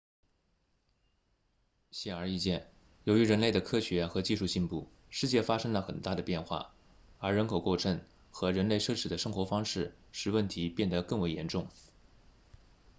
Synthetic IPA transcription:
ɕɛ˥˩ə˞˧i˥˧t͡ɕjɛ˥˩n | jo˧˥ʊy˧˥ɻə˧˥nle˥˩ɪd̪ə˩kʰɤ˥ɕɥɛ˧˥xɤ˧˥t͡ɕi˥˧ʂu˥˧ɕi˥˧npu˥˩ | ʂɻ̩˥˧t͡ɕjɛ˥˩fa˥ʂɤ˥ŋlə˨xə̰˨˩nt̪a˥˩d̪ə˩pjɛ˥˧nxwa̰˥˩ | ə˞˧˥ɻə˧˥nkʰo˨˩ʊko˥˩ʈ͡ʂʰɤ˧˥ŋ | xɤ˧˥ɻə˧˥nle˥˧ɪʂɤ˥˩ʈ͡ʂʰɻ̩˧˥d̪ə˧˦ʂɤ˥ŋxwɔ˧˥fɑ˥ŋʂɻ̩˥˩ | ʂɻ̩˨˩wə˥˩nt̪ʰi˧˥pjɛ˥˩nd̪ə˩kɤ˥˩ŋwe˧˥jɛ˧˥nʈ͡ʂʊ˥˩ŋ

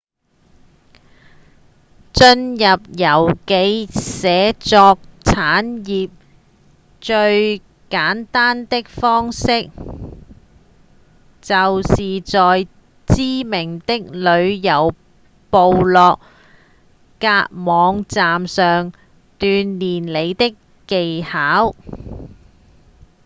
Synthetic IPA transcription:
t͡ʃɵ˧njɐ˨p̚jɐ˨˩wke˨˧jsɛː˨˧t͡sɔː˧k̚t͡sʰaː˨˥njiː˨p̚ | t͡ʃɵ˧ɥ | kaː˨˥nt̪aː˥nt̪ɪ˥k̚fɔː˥ŋsɪ˥k̚ | t͡sɐ˨wsiː˨t͡sɔː˨j | t͡siː˥mɪ˨˩ŋt̪ɪ˥k̚lɵ˨˧ɥjɐ˨˩w | po˨wlɔː˨k̚ | kaː˧t̚mɔː˨˧ŋt͡saː˨msœː˨ŋ | t̪yː˧nːiː˨˩nle˨˧jt̪ɪ˥kːe˨jhaː˨˥w

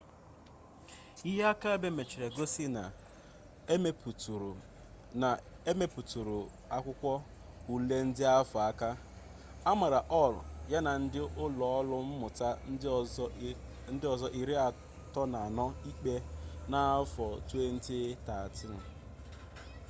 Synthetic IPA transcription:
i˦ɦe˦a˦ka˦e˦be˦me˨t͡ʃi˨ɾe˨ɡo˦si˦na˨ | e˦me˦pu˨tu˨ɾu˨ | na˨ | e˦me˦pu˨tu˨ɾu˨ | a˦kʷʊ˦kʷɔ˦ | u˨le˦n̩˦dɪ˦a˦fɔ˨a˦ka˦ | a˦ma˨ɾa˨ʔɔ˦˨lʊ̰˨ja˦na˨n̩˦dɪ˦ʔʊ˦lɔ˨ɔ˦lʊ˦m̩˦mʊ˨ta˦ | n̩˦dɪ˦ɔ˨zɔ˦ʔi˨ɾi˦a˨ | tɔ˦na˨nɔ˦i˦k͡pe˦na˨˦fɔ˨tu˦e˦n̩˦tɪ˦ta˨a˨tɪ˦nʊ˨

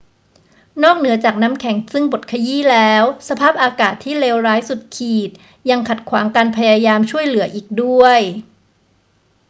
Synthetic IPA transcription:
nɔː˥˩k̚nɯ˩˦ɐt͡ɕaː˨˩k̚na˦˥mkʰɛ˩˦ŋsɯ˥˩ŋbo˨˩t̪̚kʰa˧jiː˥˩lɛː˦˥wsa˧pʰaː˥˩p̚ʔaː˧kaː˨˩t̪ʰːiː˥˩leː˧wɾaː˦˥jsu˨˩t̪̚kʰiː˨˩t̪̚ | ja˧ŋkʰa˨˩t̪̚kʰwaː˩˦ŋkaː˧npʰa˧jaː˧jaː˧mt͡ɕʰu˥˩əjlɯ˨˩˦ɐʔiː˨˩k̚du˥˩əj

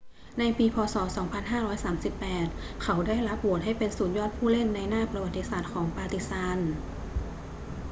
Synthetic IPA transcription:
na˧jpiː˧pʰɔː˧sɔː˩˦sɔː˩˦ŋpʰa˧nɦaː˥˩ɾɔː˦˥jsaː˩˦msi˨˩pːɛː˨˩t̪̚ | kʰa˩˦wdaː˥˩jla˦˥p̚wu˨˩ət̪̚ɦa˥˩jpe˧nsuː˨˩t̪̚jɔː˥˩t̪̚pʰuː˥˩le˥˩nːa˧jnaː˥˩pɾa˧wa˨˩t̪ːi˧˥saː˨˩t̪̚kʰɔː˩˦ŋpaː˧t̪i˨˧˥st̪aː˧˥n

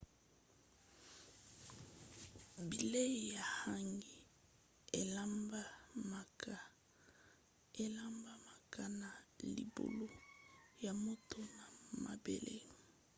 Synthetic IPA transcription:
bi˨le˦˨ja˨ha˦ŋɡi˦ | e˨la˦mba˦ma˨ka˦ | e˦la˦mba˦ma˨kʰa˦na˨lḭ˨bo̰˨lo˦ja˨mo˦to˦na˨ma̰˨bḛ˨lḛ˦

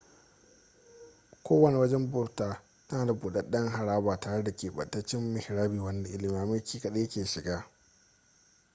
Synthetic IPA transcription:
kʷoː˦wɐ˨ne˨wɐ˦d͡ʒɛ˦mbʊ˦ɾtaː˨˦ | aː˨da˨buː˨ɗɐ˦ɗɐ˦ŋɦa˨ɽaː˦baː˨taː˨ɽe˦da˨kʲeː˨ɓɐ̰˨tːɐ˦t͡ʃɪ˦mːɪ˨hɪ˨ɾaː˦biː˨wɐ˦nda˨ʔɪ˦lɪ˨mi˨a˨mɐ˦kʰʲiː˦kɐ˨ɗe˦jɐ˦kʲeː˨ʃɪ˨ɡaː˦

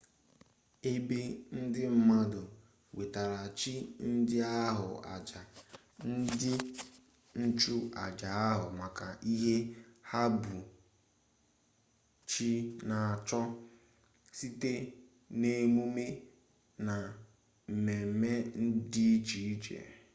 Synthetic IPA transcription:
e˦be˦n̩˦dɪ˦m̩˦ma˦dʊ˨ | we˨ta˨ɾa˨t͡ʃi˦n̩˦dɪ˦a˦ɦʊ̰˨a̰˨d͡ʒa˨ | n̩˦dɪ˦ | n̩˦t͡ʃu˦a̰˨d͡ʒa˨a˦ɦʊ˨ma˨ka˨ʔi˦ɦe˦ha˦bʊ˨ | t͡ʃi˦na˨a˨t͡ʃɔ˦ | si˦te˦ | ne˨mu˦me˦ | na˨ | m̩˨me˨me˦n̩˦di˦t͡ʃi˨˦d͡ʒḛ˨

